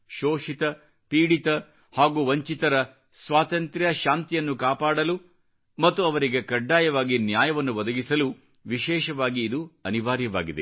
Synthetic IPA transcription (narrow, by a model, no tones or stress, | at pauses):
ʃoːʃit̪ɐ | piːɽit̪ɐ | haːɡuːʋɐɲt͡ʃit̪ɐɾɐ | sʋaːt̪ɐnt̪ɾɐʃaːnt̪ijɐnːukaːpaːɽɐlu | mɐt̪ːuɐʋɐɾiɡekɐɖːaːjɐʋaːɡinjaːjɐʋɐnːuʋɐd̪ɐɡisɐlu | ʋiʃɛːʃɐʋaːɡiːd̪uɐniʋaːɾjɐʋa̰ːɡid̪e